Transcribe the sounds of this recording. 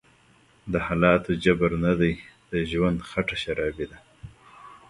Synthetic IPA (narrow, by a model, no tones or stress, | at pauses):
d̪əhɑlɑt̪od͡ʒabaɾnad̪ajd̪̥əʒwand̪xaʈaʃaɾɑbid̪a